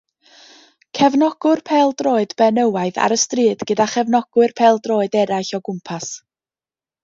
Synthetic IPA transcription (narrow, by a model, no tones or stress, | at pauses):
kʰɛvnɔɡ̥ʊrpʰɛːlˠdroːɨdb̥ɛnəwaɨða̰ɾəstriːdɡ̥ədaχɛvnɔɡ̥wɨrpʰɛːlˠdroːɨdɛɾajɬɔɡʊmpʰas